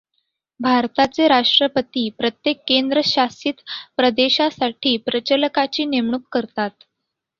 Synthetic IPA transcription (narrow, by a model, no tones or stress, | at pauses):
bʱaɾt̪at͡seɾaʂʈɾəpət̪iːpɾət̪jekːend̪ɾəɕasiːt̪pɾəd̪eɕasaʈʰiːpɾət͡ɕələkat͡ɕiːnemɳ̃uːkkəɾt̪at̪